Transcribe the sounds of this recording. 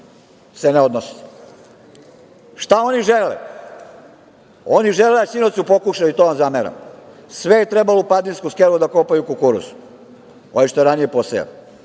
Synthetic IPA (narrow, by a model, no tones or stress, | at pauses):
seneo̞d̪nos | ʃt̪ao̞niʒelḛ | oniʒeleasinot̪sjupo̞kuʃajuit̪oʋamzameɾa̰msʋejet̪ɾebalopad̪ninskuskelud̪akopajukukuɾṵsu̥ | oʋiʃt̪oɛɾanijeposḛḛl